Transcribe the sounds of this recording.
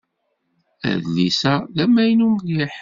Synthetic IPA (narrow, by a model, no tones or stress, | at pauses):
æ̰ðlisæðæmːæjnumðjiħ